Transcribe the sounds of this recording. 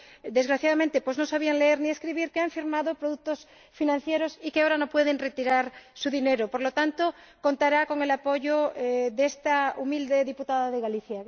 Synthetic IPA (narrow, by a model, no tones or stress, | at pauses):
d̪e̞zɣɾaθjaðamẽnt̪e̞pwo̞zno̞saβ̞ianleeɾnie̞skɾiβ̞iɾkeaɱfiɾmaðopɾoðuk̚t̪o̞s | finãn̟θje̞ɾo̞sikeaoɾano̞pwe̞ð̞e̞nre̞t̪iɾaɾsuðine̞ɾopo̞ɾlot̪ant̪o | ko̞nt̪aɾako̞ŋe̞lapo̞ʝoeðest̪aumild̪e̞ðiput̪aðaðeɣaliθja